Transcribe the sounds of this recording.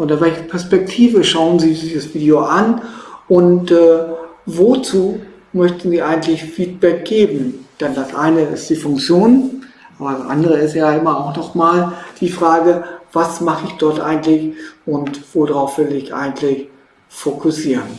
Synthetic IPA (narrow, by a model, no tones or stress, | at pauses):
ʔʊntɐvɛlçɐpʰɛɐspɛk̚tʰiːvəʃaʊənziːdiːzəsv̥iːdioʔanʔʊntɛːvot͡suː | mœçtn̩ziːʔaɪɡŋ̩tlɪçfiːt̚b̥ɛk̚ɡ̥eːbm̩d̥ɛndasʔa̰ɪnəɪstd̥iːfʊŋkt͡sjoːnʔʔaːbɐdasʔa̰ndəʁəɪstjaʔɪmɐaʊxnɔχmaːld̥iːfʁ̥aːɡəv̥asmaχəɪçd̥ɔɐtʔa̰ɪɡn̩tlɪçʔʊntv̥odʁaʊfv̥ɪlɪçʔa̰ɪɡn̩tlɪç | fokʰʊsiːʁən